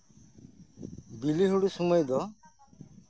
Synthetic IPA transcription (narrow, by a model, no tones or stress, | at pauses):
biliɦuɽisumɔjd̪ɔ